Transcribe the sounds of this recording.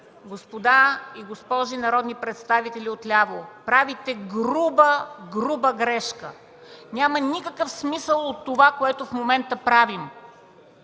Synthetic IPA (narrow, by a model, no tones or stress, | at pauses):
ɡospod̪aiɡospɔʒinɐɾɔd̪nipɾɛt̪st̪avit̪ɛlʲiot̪lʲavopɾavit̪ɛɡɾubəɡɾubəɡɾɛʃkə̰ | nʲamənʲikəkəfsmisəlˠot̪ːovakoɛt̪ofmomɛnt̪əpɾavim